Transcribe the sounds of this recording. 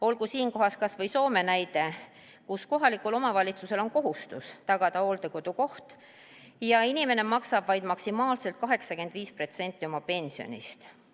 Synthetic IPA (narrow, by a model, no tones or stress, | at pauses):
o̞lkusiːnko̞ɦɑskɑsvɤ̞jso̞ːme̞næjd̪e̞ | kusko̞ɦɑlikulo̞mɑvɑlʲit̪suse̞lo̞nko̞ɦust̪ust̪ɑɡ̥ɑd̪̥ɑo̞ːld̪e̞ko̞d̪̥uko̞ht̪ | jɑinime̞ne̞mɑksɑb̥vɑjd̪mɑksimɑːlselt̪̚kɑɦe̞ksɑke̞nd̪̥viːspro̞t̪se̞nʲt̪ːˑio̞mɑpe̞nʲsio̞̰nʲḭst̪